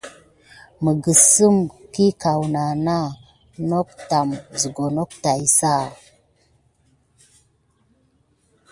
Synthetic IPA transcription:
mə˨ɡə˨sə˦mki˦ka˨wna˨na˦ | no˦k̚ta˨mzə˨ɡo˨no˦k̚ta˨jsa˦˨

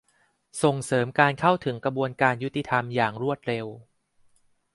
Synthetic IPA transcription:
so˨˩ŋsɤː˩˦mkaː˧nkʰa˥˩wt̪ʰɯ˩˦ŋkɾa˧bu˧ənkaː˧nju˦˥t̪ːi˧t̪ʰa˧mjaː˨˩ŋɾu˥˩ət̪̚ɾe˧w

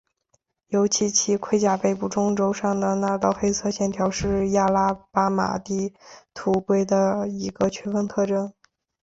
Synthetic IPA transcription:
jo˧˥ʊt͡ɕʰi˧˥t͡ɕʰi˧˥kʰwe˥˧ɪt͡ɕja˥˩pe˥˩ɪpu˨˩ʈ͡ʂʊ˥ŋʈ͡ʂo˥ʊʂɑ˥˩ŋd̪ə˩na˥˧t̪ɑ˥˩ʊxe˥ɪt͡sʰɤ˥˧ɕjɛ˥˩nt̪ʰjɑ˧˥ʊʂɻ̩˥˧ja˥˩la˥pa˥ma̰˨˩t̪i˥˩t̪ʰu˨˧˩kwe˥ɪd̪ə˨i˧˥ɡə˧t͡ɕʰɥɛ˥nfə˥ŋt̪ʰɤ˥˩ʈ͡ʂɤ˥ŋ

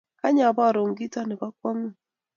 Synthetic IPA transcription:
ka˦ɲa˨bɔ˦˨ɾo˨ŋɡi˦tɔ˦nɛ˨ka˦kwa˦ŋu˦˨

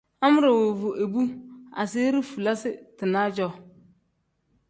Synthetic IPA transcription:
a˦mʊ˦ɾa˨wo˨vu˨ʔe˨bu˦a̰˨se˦ɾi˦fu˨la˦sɪ˦tɨ˨na˦d͡ʒɔ˦

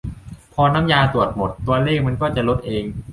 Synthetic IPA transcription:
pʰɔː˧naː˦˥mjaː˧t̪u˨˩ət̪̚mo˨˩t̪ːu˧ɐleː˥˩k̚ma˧nkɔː˥˩t͡ɕa˨˩lo˦˥t̪̚ʔeː˧ŋ

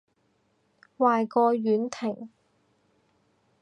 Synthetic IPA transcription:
waː˨jkɔː˧jyː˨˥nt̪ʰɪ˨˩ŋ

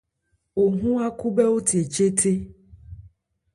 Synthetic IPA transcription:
wo˨ɦũ˦a˦ku˦bɛ˦wo˦t̪i˨e˨t͡ʃe˦t̪ʰe˦

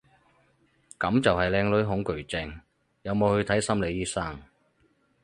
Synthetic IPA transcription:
kɐ˨˥mt͡sɐ˨wɦɐ˨jlɛː˧ŋlɵ˨˥ɥɦʊ˨˥ŋkɵ˨˩ɥt͡sɪ˨˧ŋ | jɐ˨˧wmo˨˧whɵ˧ɥt̪ʰɐ˨˥jsɐ˥mle˨˧jiː˥sa˥ŋ

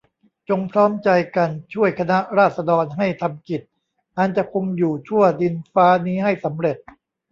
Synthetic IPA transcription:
t͡ɕo˧ŋpʰɾɔː˦˥mt͡ɕa˧jka˧nt͡ɕʰu˥˩əjkʰa˧na˦˥ʔɾaː˥˩t̪̚sa˧dɔː˧nɦa˥˩jt̪ʰa˧mki˨˩t̪̚ | ʔa˧nt͡ɕa˨˩kʰo˧ŋjuː˨˩t͡ɕʰu˥˩ɐdi˧nfaː˦˥niː˦˥ha˥˩jsa˩˦mɾe˨˩t̪̚

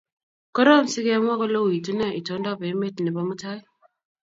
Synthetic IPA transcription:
kɔ˦ɾɔ˦m˨si˦ɡe˦m˦ɔ˦ka˦lo˦wi˨tu˦na˦˨i˨to˨˦nda˦˨be˨˦me˦˨tni˨ba˦mu˦ta˦i˦

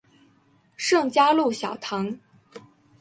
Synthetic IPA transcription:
ʂɤ˥˩ŋt͡ɕja˥lu˥˩ɕjɑ˨˩ʊt̪ʰɑ˧˥ŋ

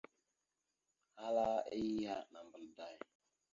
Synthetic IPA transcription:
ha˦la˦i˦i˦ha˦na˨m˨bə˦˨lda˦j

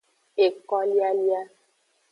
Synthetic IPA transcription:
e˨kɔ˦li˦a˦li˦a˦

